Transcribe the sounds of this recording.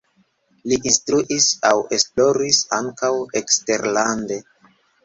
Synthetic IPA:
liʔinstɾuʔisawe̞splo̞ɾisaŋkawekste̞ɾlande̞

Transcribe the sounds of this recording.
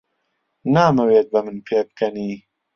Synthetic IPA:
naːmɐweːt̪̚bɐmɨnpʰeːb̚kʰɐniː

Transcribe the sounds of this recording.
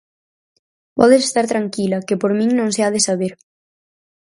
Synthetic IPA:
pɔ̰ðese̥st̪aɾt̪ɾaŋkilɐkepoɾmĩŋnõŋseaðesaβ̞eɾ

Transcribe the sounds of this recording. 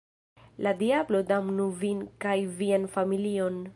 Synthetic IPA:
ladiablo̞damnuvinkajvianfamilio̞n

